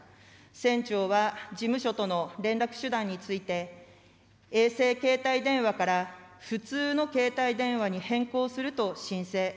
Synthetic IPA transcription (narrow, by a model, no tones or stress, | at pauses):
sẽ̞ɲt͡ɕo̞ːβad͡ʑimɯ̟ɕo̞t̪o̞no̞ɾẽ̞nɾakɯ̟̥ɕɨd̪ãɲ̟ːit͡sɨit̪e̞ | eːse̞ːke̞ːt̪aid̪ẽ̞ɰ̃βakaɾaɸɯ̟t͡sɨːno̞ke̞ːt̪aid̪ẽ̞ɰ̃βaɲ̟ihẽ̞ŋko̞ːsɨɾɯ̟t̪o̞ɕĩɰ̃se̞ː